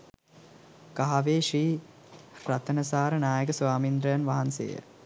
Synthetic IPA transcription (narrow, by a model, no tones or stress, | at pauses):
kaɦaʋeːʂiː | ɾat̪ənəsaːɾənaːjəɡəsʋaːmind̪ɾəjanʋaɦansḛːjə̰